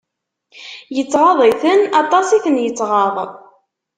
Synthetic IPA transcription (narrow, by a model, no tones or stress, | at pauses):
jət͡sːʁɑðˤiθənɑt̪ˤɑsiθənjət͡sːʁɑðˤ